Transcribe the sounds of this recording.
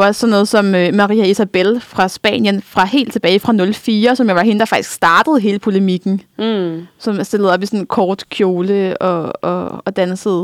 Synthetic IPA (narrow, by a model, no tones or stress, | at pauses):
ssɒ̽nːɔ̽ːð̩ˠsɒ̽mømɑ̈ʁḭːæisæb̥elfʁɑ̈sb̥ɛ̰ːnjənfʁɑ̈he̝̰ːld̥̚t͡sʰe̝b̥ɛːɪfʁɑ̈nɔ̽lfiːɐsɒ̽mjɑʋɑ̈ɦe̝nəd̥ɑ̈fɑ̈ɡ̥i̥sɡ̥sd̥ɑ̈ːd̥əð̞̩ˠɦe̝ːləpʰo̝lemiɡ̥n̩ | sɒ̽mæsd̥e̝lð̩ˠɒ̽b̥isɒ̽nn̩kʰɒːd̥kʰjo̝ːləɒ̽ɒ̽ɒ̽d̥ænsəð̩ˠ